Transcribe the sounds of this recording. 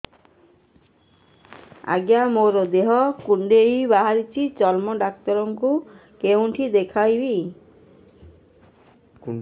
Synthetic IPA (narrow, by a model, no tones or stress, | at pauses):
a̰ɡjamoɾɔd̪eɦɔkuɳɖeibaɦaɾit͡ʃʰit͡ʃɔlmɔɖak̚t̪ɔɾɔŋkukewɳʈʰid̪ekʰajbi